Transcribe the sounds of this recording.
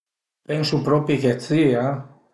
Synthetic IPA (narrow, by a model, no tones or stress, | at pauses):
peŋsupɾɔpiket͡sia